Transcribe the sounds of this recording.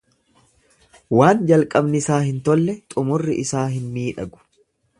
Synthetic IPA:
waːnd͡ʒɐlkʼɐbnɪɪsaːhɪnt̪ɔlːɛt̪ʼʊmʊrːɪʔɪsaːɦɪnmiːᶑɐɡʊ̥

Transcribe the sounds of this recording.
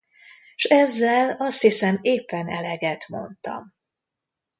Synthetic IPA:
ʃɛzːɛlɒst̪hisɛmeːpːɛnɛlɛɡɛt̪mo̞̰nt̪ɒ̰m

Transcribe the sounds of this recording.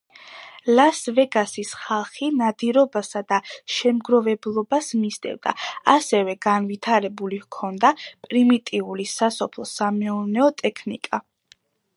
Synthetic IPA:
lasvɛɡasisχalˠχinad̪iɾɔbasad̪aʃɛmɡɾɔvɛblˠɔbasmisd̪ɛ̰vd̪a̰asɛvɛɡ̥anvit̪ʰaɾɛbulivkʰɔnd̪apʼɾimit̪ʼiulisasɔpʰlˠɔsamɛuɾnɛɔt̪ʼɛkʰnḭkʼa

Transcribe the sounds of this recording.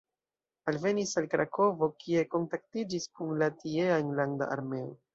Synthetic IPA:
alve̞nisalkɾakʰo̞vo̞kʰie̞ko̞ntak̚tid͡ʒiskunlatieanlanda̰ʔa̰ɾme̞o̰

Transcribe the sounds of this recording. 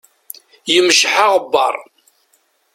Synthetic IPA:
jəmʃħaʁbːɑ̰ɾˤ

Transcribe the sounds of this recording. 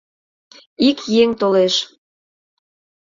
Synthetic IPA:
ikjeŋt̪oleʃ

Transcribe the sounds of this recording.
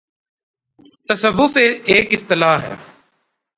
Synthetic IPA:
t̪əsəʋːʊfeːeːkɪst̪ɪlaːɦɛ̰ː

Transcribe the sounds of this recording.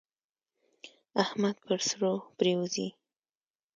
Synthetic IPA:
ahmad̪̚pəɾsɾopɾewuzi

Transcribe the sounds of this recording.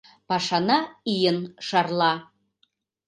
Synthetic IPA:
pɑʃɑnɑijənʃɑrlˠɑ

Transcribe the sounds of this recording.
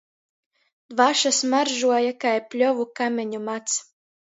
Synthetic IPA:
d̪vaʃasmaɾʒuɔjakajpʲlʲɔvukamʲɛɲumat̪s

